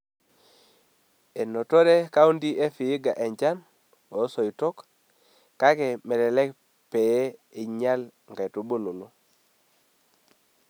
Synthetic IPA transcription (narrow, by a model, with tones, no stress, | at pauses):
e˨no˨to˦ɾe˦ka˦u˦ndi˦ʔe˦fiː˨˦ɡa˨ʔe˨ɲd͡ʒa˦n | o˨˦so˨i˨tɔ˦k | ka˦kɛ˨mɛ˨ɾɛ˨lɛ˦k | pe˨e˦i˨ɲa˦l | ŋɡa˨tu˨bo˦nu˨no˦